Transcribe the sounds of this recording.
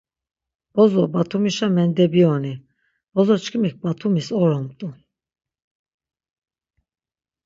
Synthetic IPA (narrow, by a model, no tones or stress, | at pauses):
b̥ɔzɔbat̪ʰumiʃamɛnd̪ɛbiɔni | b̥ɔzɔt͡ʃʰkʰimik̚bat̪ʰumisɔɾɔmt̪ʼu